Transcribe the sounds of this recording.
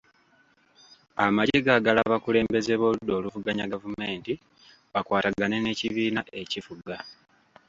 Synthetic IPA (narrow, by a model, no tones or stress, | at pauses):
amaɟeɡaɡalaβakule̞ːmbe̞ze̞βo̞ːlud̪o̞ːluvuɡaɲaɡavume̞ːnti | βakwaːtaɡane̞ne̞ːciβiːnaʔe̞cifuɡa